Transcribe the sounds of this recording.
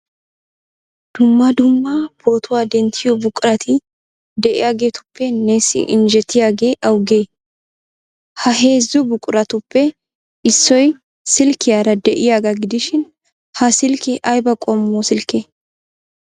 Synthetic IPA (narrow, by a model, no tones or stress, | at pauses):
d̪̥ʊmːɐd̪ʊmːab̥o̞ːt̪ʊwaːd̪ɛnt̪ʰːɪjɔbʊkʼʊɾɐt̪ʰɪ | d̪ɛʔɪ̰jaːɡe̞ːt̪ʊ̥pːɛneːsɪ̰ʔɪ̰nd͡ʒɛt̪ʰːɪjaːɡe̞ːʔɐwɡe̞ː | hɐɦe̞ːzːɔbʊkʼːʊɾɐt̪ʊpːɛ | ɪsːɔj | sɪlkːɪjaːɾɐd̪ɛʔɪjaːɡɐɡɪd̪ɪʃɪn | hɐsɪlkɪʔɐjbɐkʼɔmːoːsɪlkːeː